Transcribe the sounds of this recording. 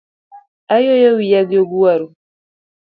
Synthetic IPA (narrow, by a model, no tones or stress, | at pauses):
ajojɔwijaɡoɡuaɾu